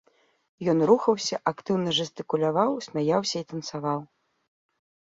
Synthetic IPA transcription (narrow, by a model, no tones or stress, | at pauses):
jɔnɾuxɐwsʲɐʔakt̪ɨwnɐʐɨst̪ɨkulʲavawsʲmʲajawsʲɐit̪ɐntsavaw